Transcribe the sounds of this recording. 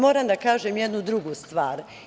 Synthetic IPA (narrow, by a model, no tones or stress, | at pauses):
mo̞ːɾamd̪akaːʒemje̞d̪nud̪ɾuɡust̪ʋaːɾ